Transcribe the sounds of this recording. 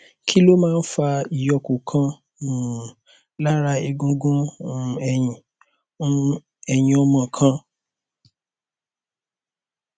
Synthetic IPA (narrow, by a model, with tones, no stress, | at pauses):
kʰi˦lo˦mãː˦˧˦n̩˦fa˧i˨jɔ˨kũ˨kʰã˦˨ | la˦ɾa˧e˧ɡũ˧ɡũ˦˨ɛ˨j̃ĩ˨˦˧ | ɛ˨j̃ĩ˨ɔ˧mã˨kʰã˧˦